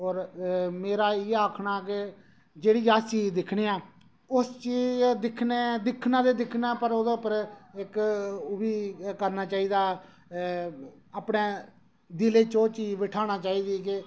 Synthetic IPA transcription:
ɔːɾmeːɾaːeaːkʰɽaːkɪ | d͡ʒeːɽiːaːsiːd̪ɪkʰɽeːaː | ʊst͡ʃiːd͡ʒd̪ɪkʰneːd̪ɪkʰnãːd̪eːd̪ɪkʰnãːpəɾoːd̪eːʊpəɾɪkʊbiːkəɾnaːt͡ʃaːiːd̪aː | aːpɽeː | d̪ɪleːt͡ʃõːt͡ʃiːʋɪʈʰaːɽ̃aːt͡ʃaːiːd̪iːkɪ

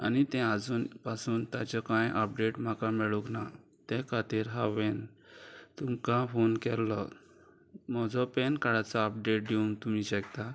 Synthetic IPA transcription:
a̰nit̪ɛ̃ad͡zuːnpasuːnt̪at͡ɕɔkãjʔəp̚ɖeʈm̤akãmɛɭukna | t̪ɛ̃kʰat̪iɾɦaʋẽn | t̪umkãfonkɛlːɔ | mɔd͡zʱɔpɛnkaɽat͡sɔːp̚ɖeʈ̚d̪euŋɡt̪umiɕəkt̪a

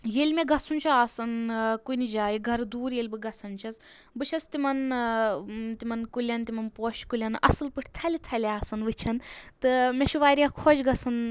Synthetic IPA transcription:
jeːlʲmeɡɐsunʲt͡ʃʰuaːsɐnkunid͡ʒaːjiɡʱɐɾd̪uːɾjeːlʲbɨɡɐsɐnt͡ʃʰɐs | bɨt͡ʃʰɐst̪imɐn | t̪imɐnkulʲɐnt̪imɐnpoːʃkulʲɐnɐ̰sɨlpɨʈʰt̪ʰɐlʲit̪ʰɐlʲaːsɐnʋɨt͡ʃʰɐnt̪ɨmeʃʰuʋaːɾijakʰod͡ʒɡɐsɐn

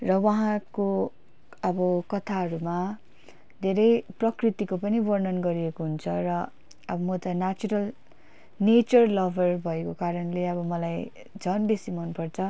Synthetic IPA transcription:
rʌwaɦãko | ʌbʌkʌt̪ʰaɦʌɾuma | d̪ʱeɾʌjprʌkrit̪ikopʌnibʌrnʌnɡʌɾiekoɦunt͡sʰʌrʌ | ʌbʌmot̪ʌnat͡suɾʌl | net͡sʌrlʌbʱʌrbʱʌekokaɾʌnleʌbʌmʌlaj | d͡zʱʌnbesimʌnpʌrt͡sʰʌ

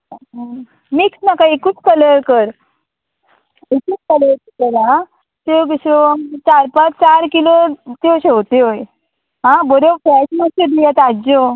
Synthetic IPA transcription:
miksnakaikut͡skələɾkəɾ | ikut͡skələt̪əkəɾa | t̪eɡiɕot͡ɕaɾpat͡st͡ɕaɾkilot̪eɕeot̪eoj | ɦãbɔɾofɛsməsed̪ijat̪ad͡ʑo

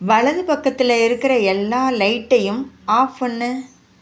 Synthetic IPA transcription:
ʋɐɭɐðɯpɐkːɐt̪ːɪlɐɪɾɯkːɪɾɐɛlːaːlɐɪʈːɐjɯmaːfɐnːɯ

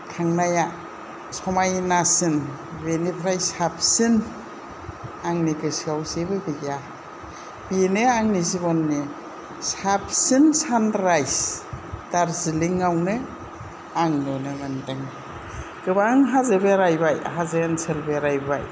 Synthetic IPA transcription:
kʰaŋnaja | sɔmajnasɯn | benipʰɾajsap̚ʰsin | aŋnikɯsiawzebɯbiɡa | benɯaŋnizibɔnːi | sap̚ʰsinsanɾajsd̥aɾziliŋawnɯ | aŋnɔnɯmandɯŋ | ɡ̥ɯbaŋɦazɯbeɾajbaj̰ɦazɯanselbeɾajba̰j

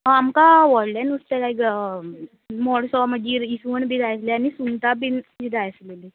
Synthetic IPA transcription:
amkaʋɔɽlɛnust̪elaiɡ | mɔɽsɔməd̪iisuənbʱiɾajsleanisunt̪abinbiɾajslele

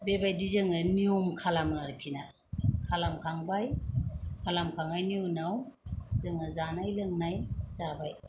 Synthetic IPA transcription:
bebajdizɯŋɯniɔmkʰalamɯaɾkʰina | kʰalamkʰaŋbajkʰalamkʰaŋajniunawzɯŋɯzanajlɯŋnajzabaj

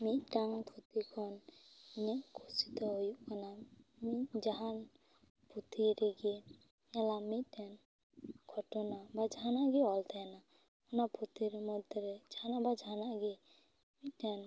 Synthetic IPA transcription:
miʈaŋpʰut̪ikʰɔniɲɛʔkʰusit̪ɔɦojuʔkanamid͡ʒaɦan | pʰut̪ʰiɾɛɡɛ | ɛlamic̪̚ʈɛn | kʰɔʈɔnabad͡ʒaɦanaʔɡɛɔlt̪ʰana | ɔnapʰut̪iɾɛmɔd̪ɔɾɛd͡ʒaɦanaʔbad͡ʒaɦanaʔɡɛ | mit̪̚tɛn

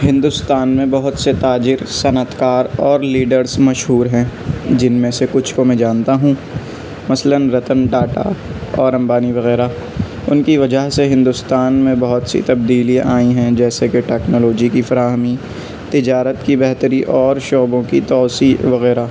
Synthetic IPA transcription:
ɦɪ̃nd̪ʊst̪aːnmẽbɐɦʊt̪set̪aːd͡ʒɪɾsɐnət̪kaːɾɔːɾliːɖəɾzmɐʃɦuːɾɦɛ̃ːd͡ʒɪnmẽsekʊt͡ʃʰkomɛ̃d͡ʒaːnt̪aɦũː | mɐslənɾɐt̪ənɖaːʈa̰ɔːɾɐ̃mbaːniʋɐɣɛːɾa | ʊnkiʋɐd͡ʒəɦseɦɪ̃nd̪ʊst̪aːnmẽbɐɦʊt̪sḭt̪ɐbd̪iːliʔaːĩɦɛ̃d͡ʒɛːsekeʈɛːknoːloːd͡ʒikifɐɾaːɦmi | t̪ɪd͡ʒaːɾət̪kibɛɦt̪əɾiʔɔːɾʃoːbõkit̪ɔːsiʋɐɣɛːɾa

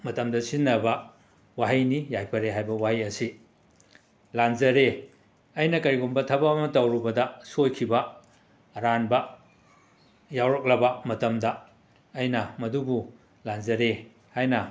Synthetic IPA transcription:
mɐtɐmdɐsinːɐbɐ | waɦijnijajpʰɐɾeɦajbɐwaɦijɐsi | lanzɐɾe | ɐjnɐkɐɾiɡunbɐtʰɐbɐːmɐtɐwɾubɐdɐsojkʰibɐ | ɾanbɐ | jawɾɐk̚lɐbɐmɐtɐmdɐː | jnɐmɐdubu | lanzɐɾe | hajnɐ

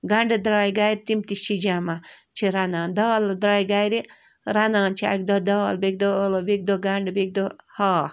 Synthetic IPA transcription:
ɡɐɳɖed̪ɾaːjɡajɾit̪imt̪iʃid͡ʒamat͡ʃʰiɾanaːnd̪ɔːld̪ɾaːjɡajɾi | ɾanaːnt͡ʃʰia̰k̚d̪od̪ɔːlbeɡ̚d̪olobiɡ̚d̪oɡaɳɖbiɡ̚d̪ohaː

